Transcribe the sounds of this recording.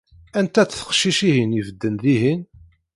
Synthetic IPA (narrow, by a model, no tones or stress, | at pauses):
ænt̪æθθə̥χʃiʃihinivəd̪ːənðiɦin